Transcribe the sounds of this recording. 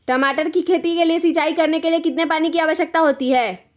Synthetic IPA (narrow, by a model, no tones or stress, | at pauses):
ʈɐmaːʈəɾkikʰeːt̪ikeliesiːt͡ʃaːikɐɾnekeliekɪt̪nepaːnikiaːʋəʃək̚t̪aɦoːt̪iɦɛː